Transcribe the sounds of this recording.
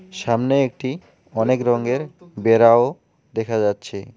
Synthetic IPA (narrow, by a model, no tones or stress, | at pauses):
ʃamneek̚ʈi | ɔnekɾɔŋɡeɾbeɾao | d̪ɛkʰad͡ʑatːɕʰe